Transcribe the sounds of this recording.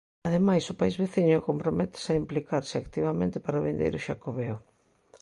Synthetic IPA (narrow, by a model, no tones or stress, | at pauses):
aðemajsʊpaizβeθiɲʊkompɾomɛt̪e̥saimplikaɾsɪakt̪iβamẽnt̪ɪpaɾaʊβind̪ḛjɾʊʃakoβeo